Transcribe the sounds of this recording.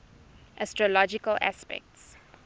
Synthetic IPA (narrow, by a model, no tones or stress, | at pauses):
ʔastɹɔlɔd͡ʒikəlʔa̰spɛ̰k̚ts